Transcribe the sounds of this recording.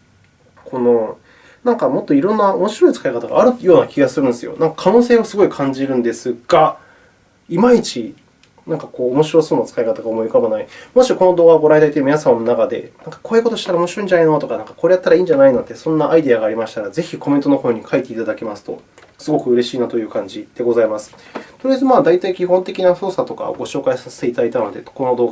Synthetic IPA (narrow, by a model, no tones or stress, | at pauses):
kʰo̞no̞ | nãŋkamo̞t̪ːo̞iɾõ̞nːaomo̞ɕiɾo̞it͡sɨ̥kaikat̪aɡa̰ːɾɯ̟jo̞ːnakʲiɡasɨɾɯ̟̃nd̪esɨjo̰nãŋkḁkʰanoːse̞ːosɨɡo̞ikʰãɲ̟d͡ʑiɾɯ̟̃nd̪e̞sɨɡ̥a | imait͡ɕi | nãŋkako̞ːmo̞ɕiɾo̞so̞ːnat͡sɨ̥kaikat̪aɡaomo̞ikabanaimo̞ɕiko̞no̞d̪oːɡaɡo̞ɾaid̪ait̪ːeminasamnonakad̪e̞̰nãŋkḁkoːjɯ̟ko̞t̪o̞ɕi̥t̪aɾaomo̞ɕiɾo̞ĩɲd͡ʑaneino̞t̪o̞kanãŋkḁko̞ːɾejat̪ːaɾaĩːɲ̟d͡ʑanainod̪esõ̞nːaʔaid̪e̞aɡaːɾʲimaɕi̥t̪aɾaze̞çiko̞ment̪o̞noho̞ːɲ̟ikʰait̪e̞it̪ad̪ake̞masɨ̥t̪o̞̰ | sɨɡo̞kɯ̟ɯ̟ɾe̞ɕiːnat̪o̞jɯ̟ːkãɲ̟d͡ʑid̪̥e̞ɡo̞zaimasɨ̥t̪o̞ɾeaezɨmaːd̪ait̪aikʲiɦõ̞nt̪e̞kʲinḁo̞ːsat̪o̞ka̰ɡo̞ɕo̞ːkaisase̥t̪e̞it̪ad̪ait̪ano̞d̪eko̞no̞d̪oːɡa